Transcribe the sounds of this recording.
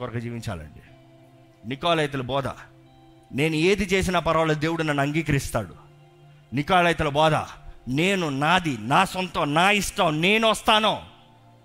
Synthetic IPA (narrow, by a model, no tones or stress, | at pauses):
ɔɾɐkɐd͡ʒiːʋiɲt͡ʃa̰ːlɐ̰ɳɖi | nikaːlɐjt̪̬ulɐbɔːd̪a̰ː | ne̞ːnue̞ːd̪it͡ʃe̞ːs̬inɐpɐɾɐʋɐlɐd̪e̞ːwuɽunɐnːɐŋɡiːkɐɾist̪aːɽu | nikaːlɐjt̪̬ulɐbɔːd̪a̰ːne̞ːnunaːd̪inaːsɔnt̪ɐmnaːiʂʈɐmne̞ːnuʋɐst̪aːnoː